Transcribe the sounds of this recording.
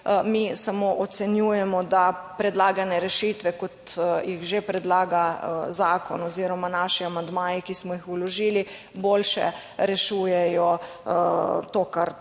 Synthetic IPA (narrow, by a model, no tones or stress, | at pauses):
misamoːʔɔt̪sɛnjuːjɛmɔd̪apɾɛd̪laːɡanɛɾɛʃiːt̪ʋɛkɔt̪jixʒepɾɛd̪laːɡazaːkɔ̰nɔziːɾɔmanaʃiamand̪maːjikismɔjixulɔʒiːli | boːlʃɛ̰ | ɾɛʃuːjɛjɔ | t̪oːkaɾ